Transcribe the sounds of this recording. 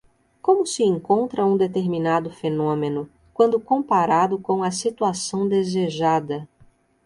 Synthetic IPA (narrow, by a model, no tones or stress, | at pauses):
kõmʊsɪẽŋkõnt̪ɾɐũd̪et̪eɾminad̪ʊfenõmenʊ | kwɐ̃nd̪ʊkõpaɾad̪ʊkõw̃ɐsit̪uasɐ̃w̃d̪ezeʒad̪ɐ